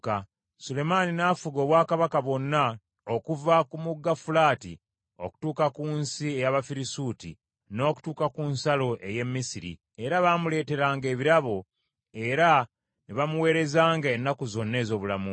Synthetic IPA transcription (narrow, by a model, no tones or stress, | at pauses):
ka | sule̞maninaːfuɡo̞ːβwaːkaβakaβo̞nːa | okuvakumuɡːafulaːtḭ | o̞̰ku̥tuːkakuːnsiejaβafiɾisutḭ | no̞ːku̥tuːkakuːnsalo̞ʔe̞je̞mːisiɾḭ | e̞ɾaβaːmule̞ːte̞ɾaːŋɡe̞ːβiɾaβo̞ | e̞ɾa | niβamuwe̞ːɾe̞zaːŋɡaenːakuzo̞nːe̞ːzo̞ːβulamu